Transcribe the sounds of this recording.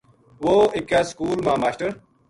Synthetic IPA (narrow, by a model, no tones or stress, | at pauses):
ʋoːikaːskuːlmãːmaːɕʈəɾ